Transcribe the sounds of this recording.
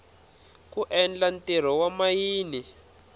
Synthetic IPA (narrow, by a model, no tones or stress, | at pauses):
kuʔɛnd͡ɮantʼɛɾ̤ɔwamajiːni